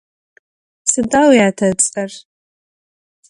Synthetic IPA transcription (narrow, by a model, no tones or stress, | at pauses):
sɨdawiatʰat͡sʼar